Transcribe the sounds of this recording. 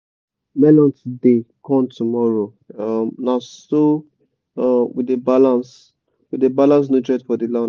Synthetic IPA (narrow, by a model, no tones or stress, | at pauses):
mɛlɔ̃ntdekɔ̃mtumɔɹo | amnasso | widebalãns | widebalãns̬notɹɛtfɔdilã